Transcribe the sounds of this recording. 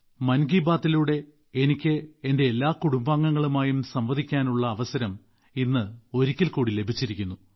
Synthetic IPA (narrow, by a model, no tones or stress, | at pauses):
mɐnɡiːbaːt̪ːiluɽe̞ | enikʲːɨende̞ːlːaːkuɽumbaːŋːɐŋːɐɭumaːjumsɐmʋɐd̪ʱikʲːaːnuɭːɐːʋɐsɐɾɐm | inːɨo̞ɾikʲːilkuːɽile̞bʱit͡ɕːiɾikʲːunːu